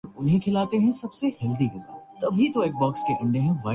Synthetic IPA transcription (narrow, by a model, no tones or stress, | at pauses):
ʊnɦẽkʰɪlaːt̪eɦɛ̃sɐbsehɪld̪iɡɪzɾa̰ːt̪ɐbʱit̪oeːk̚baːkskeʔʊ̃ɳɖeɦɛ̃ʋaː